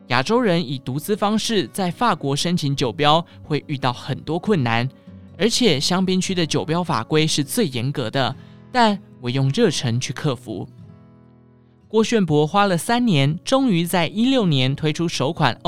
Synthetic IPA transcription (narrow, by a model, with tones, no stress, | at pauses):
ja̰˨˩ʈ͡ʂo˥ʊɻə˧˥ni˨˩t̪u˧˥t͡sɹ̩˥fɑ˥ŋʂɻ̩˥˩t͡sa˥˧ɪfa˥˩kwɔ˧˥ʂə˥nt͡ɕʰi˧˥nt͡ɕjo˨˩ʊpjɑ˥ʊ | xwe˥˧ɪʔy˥˧t̪ɑ˥˩ʊxə˨˩nt̪wɔ˥kʰwə˥˩nːa˧˥n | ə˞˧˥t͡ɕʰjɛ˨˩ɕjɑ˥ŋpi˥nt͡ɕʰy˥d̪ə˨t͡ɕjo˨˩ʊpjɑ˥ʊfa̰˨˩kwe˥ɪʂɻ̩˥˧t͡swe˥˩ɪjɛ˧˥nkɤ˧˥d̪ə˧t̪a˥˩nwɔ˨˩jʊ˥˧ŋɻɤ˥˩ʈ͡ʂʰɤ˧˥ŋt͡ɕʰy˥˧kʰɤ˥˩fṵ˧˦ | kwɔ˥˧ɕɛ˥˩npwɔ˧˥xwa˥lə˨sa˥nnjɛ˧˥nʈ͡ʂʊ˥ŋy˧˥t͡sa˥˩ɪʔi˥ljo˥˩ʊnjɛ˧˦˥nt̪ʰwe˥ɪʈ͡ʂʰu˥ʂo˧˥ʊkʰwa̰˨˩n